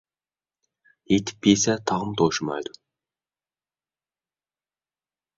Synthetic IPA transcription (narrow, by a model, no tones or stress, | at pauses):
jet̪ɪ̥p̚ːesæt̪ʰɑʁəmt̪ʰoʃəmɑ̰jd̪ʊ